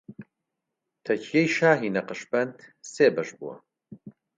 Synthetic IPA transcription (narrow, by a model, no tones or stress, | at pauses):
t̪ʰɐcʰijejʃaːɦiːnɐqɨʃbɐnd̪seːbɐʃbuwɐ̰